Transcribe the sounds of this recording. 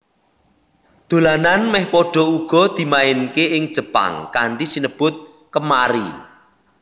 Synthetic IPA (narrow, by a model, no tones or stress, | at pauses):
d̪̥o̤lananmɛhpɔɖ̥ɔ̤uɡ̥ɔ̤d̪̥i̤maɪnkeɪŋd̥ʒ̥ə̤pa̰ŋkaɳɖisinəb̥ʊt̪̚ | kəmaɾḭ